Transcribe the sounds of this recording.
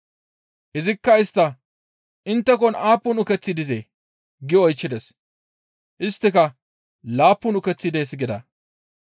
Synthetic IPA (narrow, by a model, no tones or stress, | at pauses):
ʔɪzɪkːɐɪst̪ːɐ | ʔɪnt̪ːɛkɔnaːpːʊnʊkɛt͡sːɪd̪ɪzḛː | ɡɪɔjt͡ʃːɪd̪ɛs | ʔɪst̪ːɪkɐ | laːpːʊnʊkɛt͡sːɪd̪eːsɡɪd̪ɐ̰